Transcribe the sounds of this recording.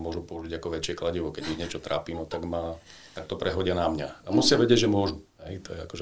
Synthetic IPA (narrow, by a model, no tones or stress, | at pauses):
mʊɔʒupɔuʒiɟakɔʋɛt͡ʃɪɛklaɟiʋɔkɛɟiɦɲɪɛt͡ʃɔt̪ɾa̰ːpiːnɔt̪aɡma | t̪ak̚t̪ɔpɾɛɦɔɟɪanamɲaamusɪaʋɛɟɪɛɟʒɛmʊɔʒuɦɛjt̪ɔjɛa̰kɔʒɛ